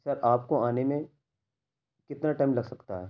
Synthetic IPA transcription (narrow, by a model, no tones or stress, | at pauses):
sɐɾʔaːp̚koaːnemẽ | kɪt̪naʈaːmlɐɡsɐkt̪aɦɛː